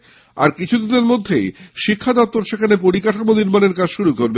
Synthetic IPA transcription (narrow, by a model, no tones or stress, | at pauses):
a̰ɾkit͡ɕʰud̪ineɾmod̪ʱːejʃikʰːad̪ɔp̚t̪ːoɾʃekʰanepoɾikaʈʰamoniɾmaneɾkad͡ʑʃuɾukoɾbe